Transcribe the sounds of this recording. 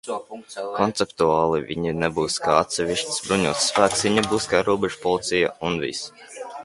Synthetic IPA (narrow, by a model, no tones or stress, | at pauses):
kɔnt̪sɛpt̪uaːlˠivʲiɲinɛbuːskaːat̪sʲɛvʲiʃt̪ʲsbɾuɲuɔt̪sːfæːk̪sviɲabuːskaːɾuɔbɛʒ̥upɔlˠit̪sɛja̰unvḭs